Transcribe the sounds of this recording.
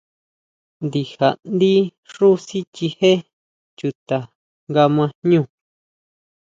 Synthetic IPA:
nd̪i˧ha˨ʔnd̪i˦ʂu˦si˦t͡ʃi˧he˦ | t͡ʃu˧t̪a˨ | ŋɡa˧mã˧ɲũ˦˨

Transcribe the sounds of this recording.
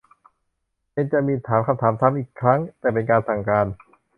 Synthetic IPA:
pe˧nt͡ɕa˨˩ʔmiː˧t̪ʰaː˩˦mkʰa˧mt̪ʰaː˩˦mt̪ʰaː˩˦˥mʔiː˨˩kʰːɾa˦˥ŋt̪ɛː˨˩pe˧nkaː˧nsa˨˩ŋkaː˧n

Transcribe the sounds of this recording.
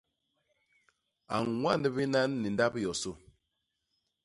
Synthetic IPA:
a̰˨ŋŋwa˦ndə˦bi˦na˦nːi˨nda˦pjɔ˨so˦

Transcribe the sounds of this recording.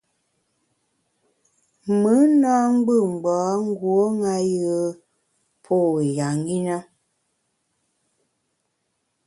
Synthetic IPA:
mə˨˦naː˦ŋ˦ɡ͡bə˦˨ŋ͡m̩˨ɡ͡baː˨˦ŋ̩˦ɡwo˦ŋa˦jə˦ | pʰo˦˨we˨ja˨ŋɡi˦na˦

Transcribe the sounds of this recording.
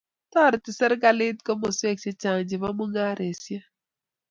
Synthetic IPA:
tɔ˦˨ɾɪ˨tɪ˨sɛ˦ɾɡa˦lɪ˦tkɔ˦mo˨se˦k̚se˦t͡ʃa˨ŋd͡ʒɪ˨βa˦mu˦ŋa˦ɾe˨sja˦

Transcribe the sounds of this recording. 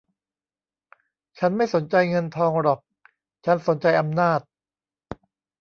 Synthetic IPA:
t͡ɕʰa˦˥nma˥˩jso˩˦nt͡ɕa˧jŋɤ˧nt̪ʰɔː˧ŋɾɔ˨˩k̚ | t͡ɕʰa˦˥nso˩˦nt͡ɕa˧jʔa˧mnaː˥˩t̪̚

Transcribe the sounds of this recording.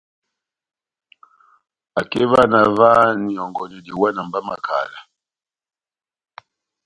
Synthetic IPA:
a˨kɛ˦va˦na˨va˦ni˨ɔ˨ŋɡɔ˨ni˨di˨wa˦na˨mba˦ma˨kʰa̰˨la˨

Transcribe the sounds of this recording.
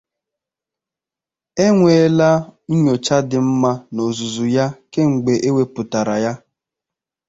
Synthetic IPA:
e˦ŋʷe˨˦la˦ɲ̩˦ɲo˨t͡ʃa˦dɪ˨m̩˦ma˦no˨zu˨zu˨ja˦ke˦ŋ͡m̩˨ɡ͡be˨ʔe˦we˦pʊ˨ta˨ɾa˨ja˦

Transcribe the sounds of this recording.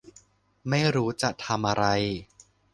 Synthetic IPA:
ma˥˩jɾuː˦˥t͡ɕa˨˩ʔt̪ʰa˧mʔa˧ɾa˧j

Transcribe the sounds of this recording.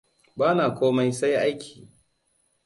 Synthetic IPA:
baː˦naː˨kʷoː˦ma˦jsa˦jʔa˦jkʲʰi̥ː˨

